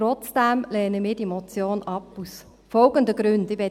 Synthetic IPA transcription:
tɾɔt͡sd̥æmlɛːnəmɪːd̥iɛmɔt͡sjoːnɑpːus | fɔlɡəndəɡ̥ɾʉndɪʋɛ

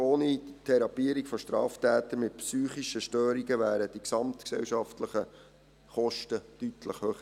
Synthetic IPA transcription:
oːnit̪ʰɛɾɑpiəɾikfɔʃtɾɑ̰ːftæːt̪əɾmɪtpsyːχiʃəʃtøːɾiɡəʋæːɾəd̥iksɑmtksɛ̰wʃɑftləχə | χɔʃtəd̥ytʰləχhøːχə

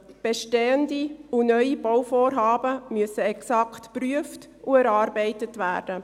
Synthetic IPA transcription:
b̥eʃteːəndiunœʏib̥awfoːɾɦɑːbəmyəsəɛksɑktpryəft | uɛɾɑːɾbɛɪtətvæ̰ːɾd̥ə

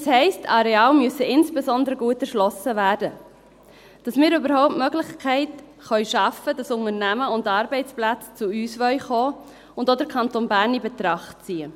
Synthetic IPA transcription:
shɛɪstɑɾɛɑːlmyəsəɪnsb̥ezɔndəɾəɡuːətɛɾʃlɔsəvæːɾdə | d̥ɑsmɪːɾʏbəɾhɔʊp̚tmœɡlɪχkʰɛɪt | χœʏʃɑfədɑsʊŋəɾnæməʊndɑːɾbɛɪt͡splæt͡st͡suyːsvœʏχoː | ʊndodəɾkʰɑntoːnbæːɾnibɛtɾɑχt̚t͡siːə

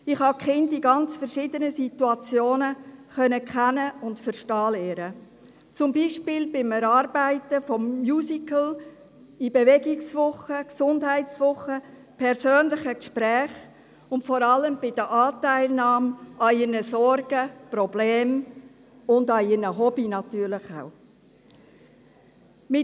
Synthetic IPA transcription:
ɪχhɑkχɪndiɡɑnt͡sfəɾʃiːdənəsituɑt͡sjoːnəχœnəkχɛnəʊntfəɾʃtɑːleːɾə | t͡sʊmbiːʃpɪːlbɪmɛɾɑɾbæɪtəfɔmːjuːsikəl̩ | ibevɛɡɪksvʊχəksʊndɦæɪtt͡sʋʊχə | pʰɛɾsøːnlɪχəkʃpɾɛːχ | ʊntfɔɾɑləmbɪd̥əʔɑːtæɪlnɑːmɑiɾnəsɔɾɡ̥əprɔblɛːm | ʊndɑiɾnəɦɔbinɑtyːɾlɪχa̰w | mɪ

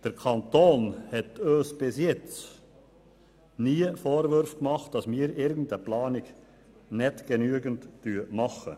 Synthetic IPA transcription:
d̥əɾkʰɑntoːnhɛtøːsb̥ɪsjɛt͡s | niːfoːɾʋʏɾfkmɑχt̚d̥ɑsmiːɾɪɾɡən̩dəplɑːnɪɡ | nɛtɡ̥enyəɡəntːyːəmɑχə̰

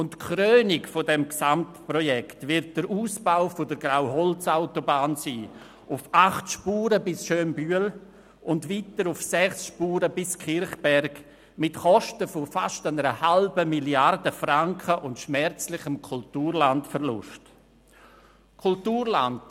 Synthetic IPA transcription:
ʊntkʰɾøːnɪkfodɛmksamtprɔjɛktvɪɾt̚d̥əɾʔuːsb̥aʊfodəɾɡ̥rawɦɔlt͡saʊtobaːnsiː | ʊfaχtʃpuːɾəbɪsʃøːnbyəl | ʔʊndviːtəɾʊfsɛχsʃpuːɾəbɪskʰɪɾχb̥ɛɾɡ | mɪtχɔʃtəfofaʃtanəɾəhalbəmiljardəfɾaŋkχəʔʊntʃmɛrt͡slɪχəmkʰultuːɾlantfəɾlʊ̰ʃt | kʰʊltuːɾlant

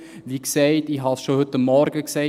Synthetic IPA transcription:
ʋiksɛɪtɪɦɑsʃohɵtːəmːɔɾɡ̥əksɛɪ

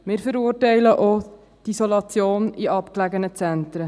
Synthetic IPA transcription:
mɪːɾfəɾuːrtɛɪləʔo | d̥isolɑt͡sjoːniʔɑpklæɡənət͡sɛnt̪ɾə

